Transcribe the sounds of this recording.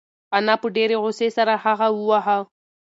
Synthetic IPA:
anapʊdɛɾɪɣʊsɪsaɾahaɣauwaɦa

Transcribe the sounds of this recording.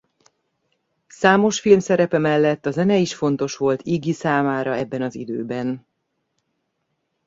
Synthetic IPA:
saːmo̞ʃfilmsɛɾɛpɛmɛlːɛt̪ːɒzɛnɛiʃfo̞n̪t̪o̞ʃʋo̞lt̪ʰiɡisaːmaːɾɒɛbːɛnɒzḭd̪øːbɛn

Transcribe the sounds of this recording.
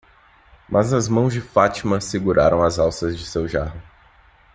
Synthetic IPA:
mʔɐznɐzmɐ̃w̃zd͡ʒɪfat͡ʃimɐ̃sɪɡuɾʔa̰ɾɐ̃w̃ɐzawsɐzd͡ʒɪsewʒaɦʊ

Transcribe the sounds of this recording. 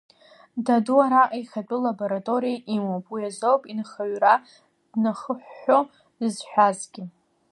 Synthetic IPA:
daduaɾaʔajχat͡pʼʊlabo̞ɾatʼo̞ɾijaʔimopʼwiazowpʼinχaɥra | d̥naχəħʷːo | dɨzħʷᶣazɡʲɪ

